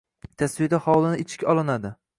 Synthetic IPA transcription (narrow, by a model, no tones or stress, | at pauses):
t̪ʰasvijad̪ahɒwlˠɪnɪɪt͡ʃʰɪ̥kʲɒlˠɪnad̪ɪ